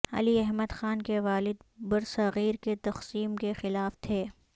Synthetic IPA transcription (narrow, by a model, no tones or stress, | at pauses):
ɐ̰liɛɦməd̪xaːnkeʋaːlɪd̪bɐɾsɐɣiːɾket̪ɐqsiːmkexɪlaːft̪ʰeː